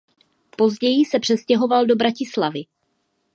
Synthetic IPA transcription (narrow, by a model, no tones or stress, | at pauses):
po̞zɟɛjɪsɛpr̥ɛscɛɦo̞valdo̞bɾacɪslavɪ